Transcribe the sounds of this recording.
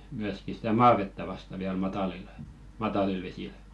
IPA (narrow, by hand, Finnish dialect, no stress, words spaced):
myæski stæ mɑːʋetːæ ʋɑstɑ ʋiæl mɑtɑlile̥ mɑtɑlil ʋesil